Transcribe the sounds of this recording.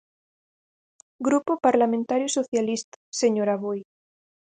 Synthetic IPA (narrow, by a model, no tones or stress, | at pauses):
ɡɾupopaɾlamẽnt̪aɾjusoθjalist̪ḁseɲoɾaβoj